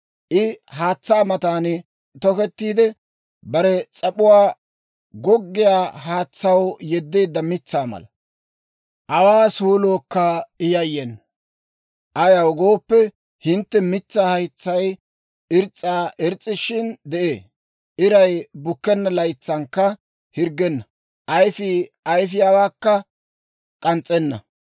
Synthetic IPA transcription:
ʔɪhaːt͡sːaːmɐt̪aːnɪ | t̪ɔkɛt̪ːiːd̪ɛ | bɐɾɛt͡sʼɐpʼʊwaː | ɡɔɡːɪjaːhaːt͡sːɐwjɛd̪ːe̞ːd̪ːɐmɪt͡sːaːmɐ̰lɐ | ʔɐwaːsuːloːkːɐɪjɐjːɛnːɐ | ʔɐjɐwɡo̞ːpːɛ | hɪnt̪ːɛmɪt͡sːaːhɐjt͡sːɐj | ɪɾt͡sʼːaːʔɪɾt͡sʼːɪʃɪnd̪ɛʔeː | ʔɪɾɐjbʊkːɛnːɐlɐjt͡sːɐŋkːɐ | hɪɾɡɛnːɐ | ʔɐjfɪɐjfɪjaːwaːkːɐ | kʼɐnt͡sʼːɛnːɐ̰

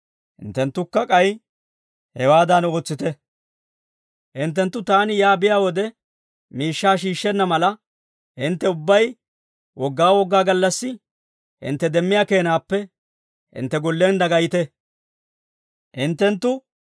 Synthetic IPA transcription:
hɪ̰nt̪ːɛnt̪ːʊkːɐkʼɐj | hɛwaːd̪ɐno̞ːt͡sːɪt̪ɛ | ʔɪnt̪̬ːɛnt̪ːʊt̪aːnɪjaːbɪjaːwɔd̪ɛ | miːʃːaːʃiːʃːɛnːɐmɐlɐ | hɪnt̪ːɛʊbːɐj | wɔɡːaːwɔɡːaːɡɐlːɐsːɪ | ɪ̰nt̪ːɛd̪ɛmːɪjaːke̞ːnaːpːɛ | hɪ̰nt̪ːɛɡɔlːeːnd̪ɐɡɐjɪt̪ɛ | ʔɪnt̪ːɛnt̪ːʊ

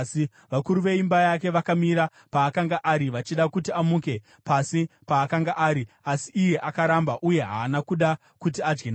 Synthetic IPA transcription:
i | ʋakuɾuʋe̞imbajak̬e̞ʋakamiɾa | paːkaŋɡaʔaɾiʋat͡ʃiɗakutiamuːke̞ | pasipaːkaŋɡaʔaːɾi | asiʔːje̞ʔakaɾambaʔuje̞ɦa̰ːnakuɗa | kut̬iad͡ʒɡena

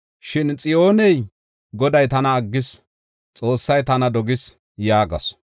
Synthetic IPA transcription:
ʃɪnt͡sʼɪjo̞ːnɛj | ɡɔd̪ɐjt̪ɐnɐːɡːɪs | t͡sʼo̞ːsːɐjt̪ɐnɐd̪ɔɡɪs | jaːɡɐ̰s

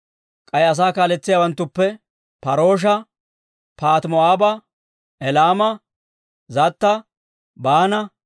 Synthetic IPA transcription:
kʼɐjɐs̬aːkaːlɛt͡sːɪjaːwɐnt̪ːʊpːɛ | pɐɾo̞ːʃ̬ɐ | paːt̪mɔaːbɐ | ʔɛlaːmɐ | zɐt̪ːɐ | baːnɐ

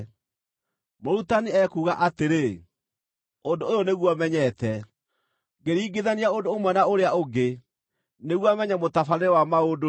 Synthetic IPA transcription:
moɾutaniɛkuːɣaʔateɾe | ondoːjɔneɣwamɛɲɛtɛ | ɡeɾiːɡeðaniaondoːmwɛnaoɾeaoɡe | neɣwamɛɲɛmotafanewamaodo

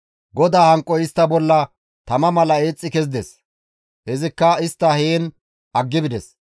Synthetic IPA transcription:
ɡɔd̪aːhɐŋkʼːɔɪst̪ːɐbɔlːɐ | t̪ɐmɐmɐlɐeːt͡sʼːɪkɛzd̪ɛs | hɛzɪkːɐɪst̪ːɐheːn | ɐɡːɪbɪd̪ɛs

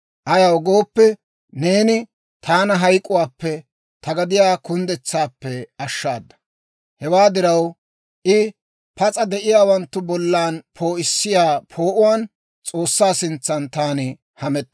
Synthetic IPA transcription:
ʔɐjɐwɡoːpːɛ | ne̞ːnɪ | t̪ʰaːnɐɦɐjkʼːʊwaːpːɛ | t̪ɐɡɐd̪ɪjaːkʊnd̪ɛt͡sːaːpːɛɐʃːa̰ːd̪ːɐ̥ | hɛwaːd̪ɪɾɐw | ʔɪ | pɐt͡sʼɐd̪ɛʔɪjaːwɐnt̪ːʊbɔlːaːnpʰo̞ːʔɪsːɪjaːpʰo̞ːʔʊwaːn | t͡sʼo̞ːsːaːsɪnt͡sːɐnt̪aːnɪ | hɐmɛt̪ː

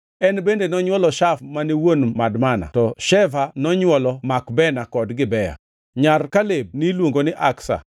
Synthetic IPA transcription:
ɛnbendenɔɲwɔlɔʃafmaniwonmadmana̰tɔʃɛvanɔɲwɔlɔmakbɛnakɔdɡɪbɛja̰ | ɲarkaleb̚nilwoŋɡonɪʔaksa̰

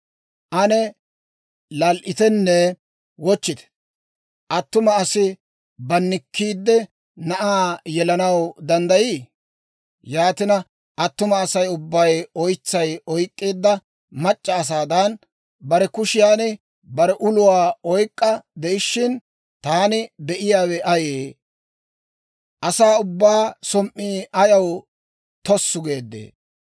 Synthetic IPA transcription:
ʔɐnɛ | lɐlʔɪt̪ɛnːɛ | wɔt͡ʃːɪd̪ɛ̥ | ʔɐt̪ːʊmɐɐsɪ | bɐnːɪkʰːiːd̪ːɛ | nɐʔaːjɛlɐnɐwd̪ɐnd̪ɐjiː | jaːt̪ɪnɐ | ʔɐt̪ːʊmɐːsɐjʊbːɐjɔjt͡sːɐjɔjkʼːiːd̪ːɐ | mɐt͡ʃʼːɐːs̬aːd̪ɐn | bɐɾɛkʊʃɪjaːnɪ | bɐɾɛʔʊlʊwaːɔjkʼːɐd̪ɛɪʃːɪn | t̪aːnɪd̪ɛʔɪjaːwɛʔɐjeː | ʔɐsaːʊbːaːsɔmʔːiːɐjɐw | t̪ɔsːʊɡe̞ːd̪ːḛː

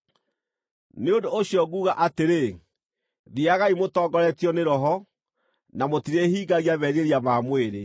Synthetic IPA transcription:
neondoːɕjɔɣuːɣaʔateɾe | ðiaɣaimotɔːɡɔɾɛtjɔneɾɔɦɔ | namotiɾehiːɡaɣiaβɛɾeɾiamaːmweɾe

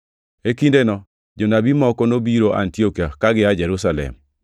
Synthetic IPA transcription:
ekindenɔ | d͡ʒonabimɔkɔnobiɾoʔa̰ntiokiakaɡɪad͡ʒɛɾusalɛ̰m

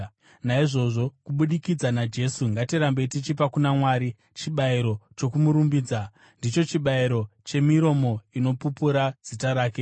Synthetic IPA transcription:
naiʐo̞ʐo̞kuɓuɗikid͡zanad͡ʒe̞suŋɡatiɾambetit͡ʃip̬akunamwaːɾi | t͡ʃiɓaiɾo̞t͡ʃo̞kumuɾumbiːd͡za | ndit͡ʃo̞t͡ʃiɓaiɾo̞t͡ʃe̞miɾo̞mo̞ino̞pupuɾad͡z̥itaɾaːke̞

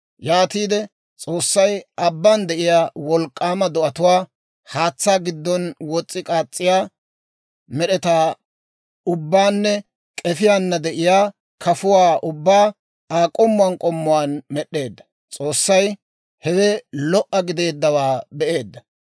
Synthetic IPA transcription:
jaːt̪iːd̪ɛ | t͡sʼo̞ːsːɐjʔɐbːand̪ɛʔɪjaːwɔlkʼːaːmɐd̪ɔʔɐt̪ʊwaː | haːt͡sːaːɡɪd̪ːɔnwɔt͡sʼːɪkʼaːt͡sʼːɪjaː | mɛɗɛt̪aː | ʊbːaːnːɛ | kʼɛfɪjanːɐd̪ɛʔɪjaː | kʰɐfʊwaːʔʊbːaː | aːkʼɔmːʊaːnkʼɔmːʊwaːnmɛɗːe̞ːd̪ːɐ̥ | t͡sʼoːsːɐj | hɛwɛlɔʔːɐɡɪd̪e̞ːd̪ːɐwaːbɛʔe̞ːd̪ːɐ

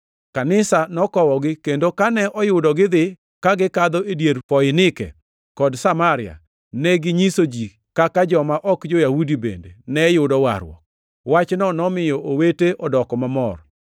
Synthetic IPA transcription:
kanɪsanɔkɔwɔɡɪkendokanɛʔɔjʊdɔɡɪd̪ɪ | kaɡɪkad̪ɔedjeɾfɔjɪnɪkɛ̰ | kɔdsamaɾɪja̰ | nɛɡɪɲisod͡ʒi | kakad͡ʒɔmaʔɔkd͡ʒojahudibḛndḛnɛjʊdɔwa̰ɾwɔ̰k̚ | wat͡ʃnɔnɔmɪjɔʔoweteʔɔdɔkɔmamɔ̰r

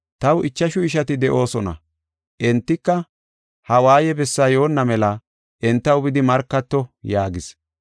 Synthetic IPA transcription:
t̪ɐwɪt͡ʃːɐʃʊɪʃ̬ɐt̪ɪd̪ɛʔo̞ːsɔnɐ̰ | ʔɛnt̪ːɪkːɐ | hɐwaːjɛbɛsːaːjo̞ːnːɐmɛlɐ | ʔɛnt̪ːɐwbɪd̪ɪmɐɾkːɐt̪ːɔjaːɡɪs

